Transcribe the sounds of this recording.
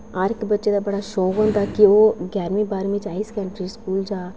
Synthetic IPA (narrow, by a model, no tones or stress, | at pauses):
aːɾkbətːʃeːd̪aːbəɽaːʃoːkɦõːnd̪aːkɪoːɡɛːɾmiːbaːɾmɪt͡ʃaːiskɛ̃ːɳʈɾiːskuːld͡ʒaː